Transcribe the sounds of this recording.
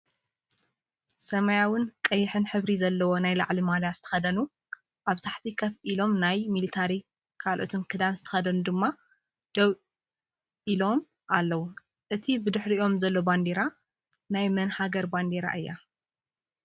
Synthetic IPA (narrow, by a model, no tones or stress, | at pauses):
sɐmajawʊnkʼɐjːɪħɨnħɨβɾizɐlːɐwo̞najla̰ʕlimalaz̥ɨt̪ʰɐ̥xɐd̪ɐnu | ʔaβt̪ʰaħt̪ʰikʰɐfʔilo̞mnajmilit̪ʰaɾi | kʰalʔo̰t̪ʰunkʰɨd̪anzɨt̪ʰɐ̥xɐd̪ɐnud̪ɨmːa | d̪̥ɐβ | ʔilo̞m | ʔalːɐwu | ʔɨt̪ʰibɨd̪ɨħɾio̞mzɐlːoband̪eɾa | najmɨnhaɡɐɾband̪eɾa̰ʔɨjːa̰